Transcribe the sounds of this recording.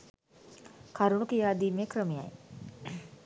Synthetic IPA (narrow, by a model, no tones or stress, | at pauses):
kaɾuməkijaːd̪iːmekrəmeja̰j